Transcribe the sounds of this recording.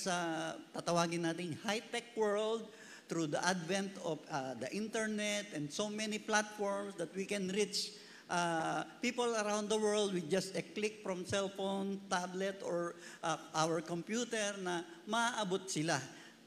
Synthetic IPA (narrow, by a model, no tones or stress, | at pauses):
sɐt̪at̪ɐwaːɡɪnːaːt̪ɪŋhajt̪ɛk̚wɛɹld̪̚ | t̪ɾud̪ɐʔad̪vɛ̃nt̪ɔfad̪ɐʔĩnt̪ɛɹnɛt̪ʔɛ̃nd̪somɛniplat̪̚fɔɹmsd̪ɐt̪wikɛ̃nɾit͡ʃ | ʔapiːpolɐɾãw̃nd̪d̪ɐwɛɹld̪̚wɪd͡ʒɐst̪ɛklɪk̚fɹɔ̃msɛlfont̪ablɛt̪ɔɹʔaʔawɛɹkɔ̃mpjuːt̪ɛɹnɐmɐaʔɐbot̪̚sɪla